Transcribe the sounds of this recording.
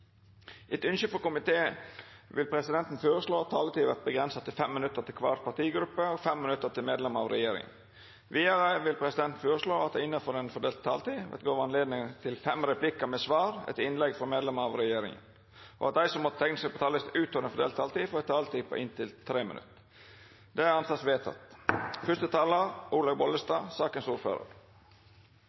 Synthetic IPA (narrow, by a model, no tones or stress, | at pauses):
ʔɛt̪ʏnʃəfɔkʊmɪt̪ʰeːʋɪlpʰɾɛsɪd̪ɛnt̪n̩føːɾəsloːɑt̪t̪ʰːɑːlət̪iːʋæɾt̪̚bəɡɾɛnsət̪ɪlfɛmːɪnʉt̪ːəɾt̪ɪlkʰʋɑ̰ːɾpɑt̪iːɡɾʉpːəɔɡfɛmːɪnʉt̪ːət̪ɪlmeːd̪lɛməɑ̰ʋɾɛ̰jeːɾɪ̰ŋə̰n | ʋiːɑɾəʋɪlpʰɾɛsɪd̪ɛnt̪n̩føːɾəsloːɑt̪̚d̪æɪɪnːəfɔɾɛnfɔɖ̪eːlt̪ʰːɑ̰ːlt̪iːʋɛ̰t̪ɡoːʋɑnleːd̪nɪŋt̪ʰɪlfɛmɾɛpʰlɪkəmɛsʋɑːɾɛ̰t̪ɪnlɛɡfɔmeːd̪lɛməɑʋɾɛjeːɾɪ̰ŋə̰n | ʔɔ̰ɑt̪̚d̪æɪsɔmːɔt̪ət̪ʰɛŋnəsɛɪɡpɔt̪ʰɑːləsʉːt̪ʰoːɾɛnfɔɖ̪eːlt̪ʰːɑːlt̪iːfɔɾɛt̪ʰːɑːlt̪iːpʰɔ̰ʔɪnt̪ʰɪlt̪ʰɾeːmɪ̰nʉ̰t̪ː | d̪ɛæɾɑnsɑt̪sʋeːt̪ʰɑ̰t̪ːfʏʂt̪ət̪ʰɑːləɾʔuːlɑɡbɔlːəst̪ɑːsɑːkənsuːɾfø̰ːɾə̰ɾ